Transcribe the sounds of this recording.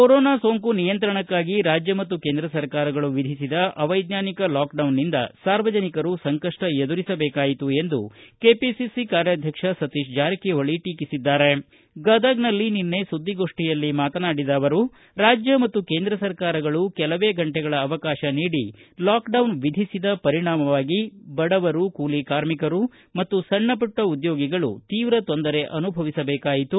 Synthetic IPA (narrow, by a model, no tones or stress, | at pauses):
koɾoːnaːsoːŋkunijɐnt̪ɾɐɳɐkːaːɡiɾaːd͡ʒjɐmɐt̪ːuke̞ːnd̪ɾɐsɐɾkaːɾɐɡɐɭuʋid̪ʱisid̪ɐʔɐʋɐjd̪njaːnikɐlaːkɖɐwnːind̪ɐ̰saːɾʋɐd͡ʒɐnikɐɾusɐŋkɐʂʈɐed̪uɾisɐbɛːkaːjit̪ue̞nd̪ukeːpisisikaːɾjɐd̪ʱjɐkʂɐsɐt̪iʃd͡ʒaːɾikɛʋɐɭiʈiːkisid̪ːaːɾe̞ | ɡɐd̪ɐɡnɐlːininːe̞sud̪ːiɡo̞ːʂʈijɐlːimaːt̪ɐnaːɽid̪ɐːʋɐɾu | ɾaːd͡ʒjɐmɐt̪ːuke̞ːnd̪ɾɐsɐɾkaːɾɐɡɐɭukɛlɐʋeːɡɐɳʈɛɡɐɭɐːʋɐkaːʃɐniːɽilaːkɖɐwnʋid̪ʱisid̪ɐpɐɾiɳaːmɐʋaːɡibɐɽɐʋɐɾukuːlikaːɾmikɐɾu | mɐt̪ːusɐɳːɐpɐʈːɐud̪jo̞ːɡiɡɐɭṵt̪iːʋɾɐt̪ond̪ɐɾe̞ʔɐnubʱɐʋisɐbɛːkaːjit̪u